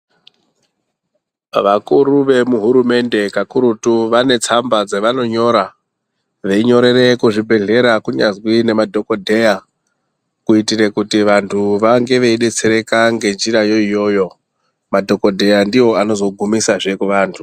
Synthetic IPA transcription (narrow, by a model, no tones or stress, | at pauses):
ʋakuɾuʋe̞muɦuɾume̞nde̞kakuɾutuʋane̞t͡sambad͡zeʋano̞ɲo̞ɾa | ʋe̞iɲo̞ɾe̞re̞kuʐibʱe̞ɮe̞ɾakuɲazwine̞madʱo̞ko̞dʱe̞ja | kuitiɾe̞kutiʋantʰuʋaŋɡe̞ʋeiɗet͡seɾe̞kaŋɡe̞nd͡ʒiɾajo̞ijo̞ːjo̞ | madʱo̞ko̞dʱe̞jandiwo̞ano̞zo̞ɡʱumisaʐekuʋaːntʰu